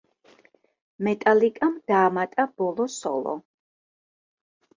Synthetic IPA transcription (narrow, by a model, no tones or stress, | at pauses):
mɛt̪ʼalikʼamd̪̥aːmat̪ʼab̥ɔlˠɔsɔ̰lˠɔ̰